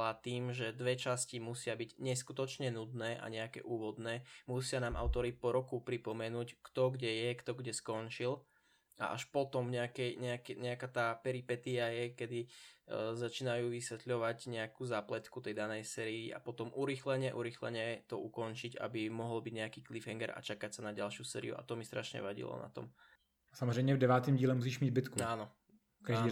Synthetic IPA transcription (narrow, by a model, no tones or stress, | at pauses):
at̪iːmʒɛd̪ʋɛt͡ʃascimusɪabiɟɲɛskut̪ɔt͡ʃɲɛnud̪nɛːʔa̰ɲɛakɛ̰ʔuːʋɔd̪nɛːmusɪanaːmʔa̰ʊt̪ɔɾipɔɾɔkupɾipɔmɛnuːckt̪ɔɡɟɛjɛkt̪ɔɡɟɛskɔnt͡ʃil | a̰ʔa̰ʃpɔt̪ɔmɲɛakɛɲɛakɛɲɛakaːt̪aːpɛɾipɛt̪iajɛkɛd̪i | zat͡ʃiːnajuːʋisʋɛt̪ʎɔʋaɟɲɛakuːzaːplɛt̪kut̪ɛjd̪anɛjsɛːɾiːʔa̰pɔt̪ɔmʔuɾixlɛɲɛʔuɾixlɛ̰ɲɛt̪ɔukɔnt͡ʃica̰bimɔɦɔlbiɟɲɛakiːklifɦɛŋɡɛɾa̰t͡ʃakacsanaɟalʃɪusɛ̰ːɾḭṵʔa̰t̪ɔmist̪ɾʔaʃɲɛ̰ʋaɟḭlɔ̰na̰t̪ɔ̰m | samɔzɾɛjmɲɛvdɛʋaːt̪iːmɟiːlɛmus̬iːʃmiːd̪̚bɪt̪kuaːnɔ | fkaʒd̪iː